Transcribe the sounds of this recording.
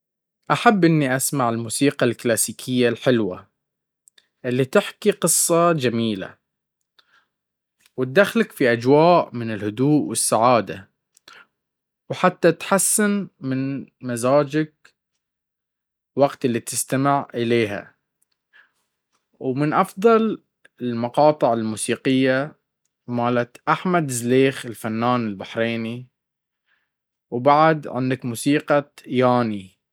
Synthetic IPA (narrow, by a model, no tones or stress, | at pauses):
ʔaħabːʔɪnːiʔasmaʕɪlmuːsiːqɑlklaːsiːkʰɪjːalħɪlwa̰ | ʔɪlːit̪ɪħkiqɨsˤːɑd͡ʒamiːla̰ | wɪt̪̚d̪axlakfiʔad͡ʒwaːʔmɪnɪlhʊd̪uːʔwɪsːaʕaːd̪a | wħat̪ːat̪ħasːanmɪnmazaːd͡ʒɪk̚ | waɡt̪ɪlːit̪ɪst̪amɪʕʔɪleːɦa̰ | wmɪnʔɑfðˤɑl | ɪlmɑqɑːt̪ˤɨʕɪlmuːsiːqɪjːa | maːlat̪ʔaħmad̪zleːxɪlfanːaːnɪlbaħɾeːni | wbaʕd̪ʕɪ̰nd̪akmuːsiːqɑjaːni